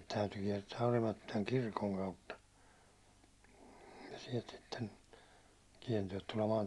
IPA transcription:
tæyty kiɛrtæː orimɑtːilɑŋ kirkoŋ kɑutːɑ jɑ siɛlt sitːen kiɛrtæː tulemɑːn

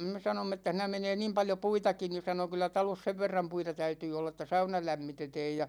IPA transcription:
me sɑnomː etːæ siːnæ meneː niːm pɑljo puitɑki ni sɑno kylːæ tɑlos seʋ ʋerːɑm puitɑ tæytyː olːɑ ĕtˑæ sɑunɑ læmːitetɛːj jɑ

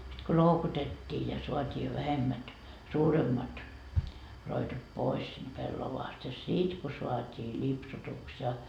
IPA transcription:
sit ko loukutetʲːiː jɑ soɑtʲiː jo ʋæhemːæt suːremːɑt roitot pois sind̥ pelːoʋɑːst jɑ sit ko soɑtʲiː lʲipsutuks jɑ

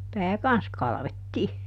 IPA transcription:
pæː kɑns kɑlɑ̆ʋetːiː

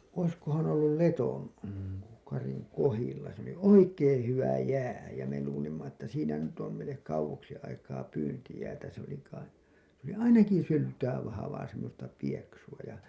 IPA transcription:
oiskohɑn olːul leton kɑriŋ kohilːɑ se oli oikeːẽ hyʋæ jæː jæ me luːlimːɑ etːæ siːnæ nyt om meilˑek kɑuwoksi ɑikɑː pyːntijæːtæ se oli kɑi s oli ɑinɑki syltæː ʋɑhɑʋɑː semːostɑ pieksuɑ jɑ

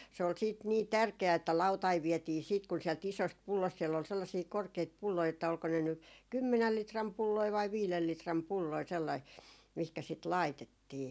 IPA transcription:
se ol siːt niː tærkeæ etːæ lɑutɑiʋ̆ ʋiɛtiː siːt kun siɛlt isost pulːost sielː ol selːɑsiː korkeit pulːoi etːæ olko ne ny kymːenæl litrɑm pulːoi ʋɑi ʋiːlel litrɑm pulːoi selːɑi mihkæ sit lɑitetːiː

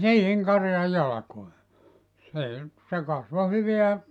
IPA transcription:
siːhiŋ kɑrjɑj jɑlɑ̆koe seˑ nyt se kɑsʋo hyʋeæ

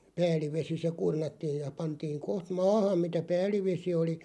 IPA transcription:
pæːlˑiʋesi se kurnɑtːiːj jɑ pɑntiːŋ koht mɑːhɑm̆ mitæ pæːlˑiʋesi oli

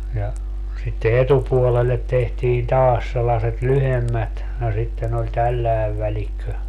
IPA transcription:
jɑ sitːe etupuolelːet tehtiːn tɑːs selːɑset lyhemːæt no sitːen olʲ tælːæeʋ ʋælikːø

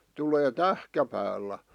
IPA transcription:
tuleː tæhkæpæːlːæ

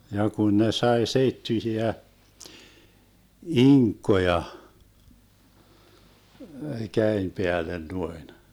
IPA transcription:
jɑ kun ne sɑi seitːyĭsiæ iŋkːojɑ kæem peælen nuoin

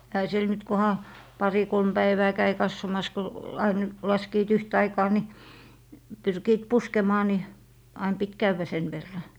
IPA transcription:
ehæ siel nyt kohɑ pɑri kolm b̥æiʋæː kæi kɑsːomɑs ko ɑin lɑskiːt yht ɑikɑː ni pyrkiːt puskemɑː ni ɑin pit kæʋːæ sen ʋerːɑ

